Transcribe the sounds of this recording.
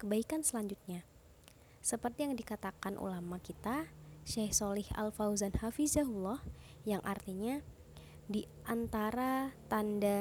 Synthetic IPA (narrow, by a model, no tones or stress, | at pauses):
kəbaikansəlaɲd͡ʒut̪̚ɲa | səpərt̪ijaŋdikat̪akanʔṵlamakit̪aʃɛhsɔlɪha̰lfawzanhafizaɦulːɔhjaŋʔart̪iɲa | di | ʔant̪aɾat̪anda